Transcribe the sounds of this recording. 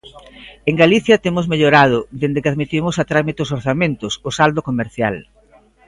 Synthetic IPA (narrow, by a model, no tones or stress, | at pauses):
eŋɡaliθjɐt̪emʊzmeʎoɾað̞ʊðend̪ɪkaðmit̪imʊsat̪ɾamit̪eʊs̬oɾθamẽnt̪ʊsʊsald̪okomeɾθja̰l